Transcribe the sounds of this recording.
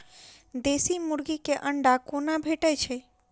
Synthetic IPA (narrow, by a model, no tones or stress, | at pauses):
d̪esimuɾɡikeʔəɳɖakonabʱeʈət͡ʃʰɛ